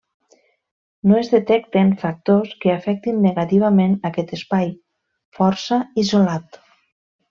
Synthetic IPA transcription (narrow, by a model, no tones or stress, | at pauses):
noezðet̪ɛk̚t̪enfak̚t̪oskeafɛk̚t̪inːeɣat̪iβ̞amenakɛt̪espaj | fɔɾsaizolat̪